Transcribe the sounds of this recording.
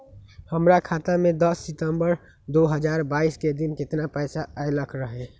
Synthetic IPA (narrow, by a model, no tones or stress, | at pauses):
həmɾakʰaːt̪amẽd̪əsːɪt̪əmbəɾ | d̪oɦəd͡ʒaːɾbaːisked̪ɪnkɪt̪napəːsaajləkʰɾəɦe